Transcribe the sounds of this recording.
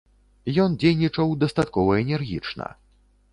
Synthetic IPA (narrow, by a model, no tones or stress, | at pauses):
jɔnd͡zʲejnʲit͡ʂɐwd̪ɐst̪at̪̚kɔvɐɛnʲɛrɣʲit͡ʂnɐ̰